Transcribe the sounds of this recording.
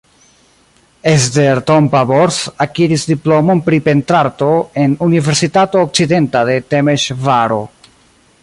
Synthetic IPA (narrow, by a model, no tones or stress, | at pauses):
esdeɾtompaboɾsakiɾisdiplo̞mo̞npɾipe̞ntɾaɾto̞e̞nunive̞ɾsitatoːk̚t͡side̞ntade̞te̞meʃvaɾo̞̰